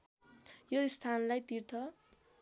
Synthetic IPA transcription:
joist̪ʰanlajt̪irt̪ʰʌ

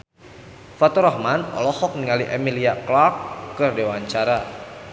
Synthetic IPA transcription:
fat̪uɾɔhmanɔ̰lɔhɔk̚niŋaliʔemiliaklakːɨrdewaɲt͡ʃaɾa

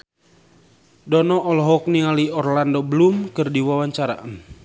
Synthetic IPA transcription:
dɔnɔʔɔlɔɦɔk̚niŋaliɔrlandɔbəlumkɨrdiwawaɲt͡ʃaɾa̰ʔn

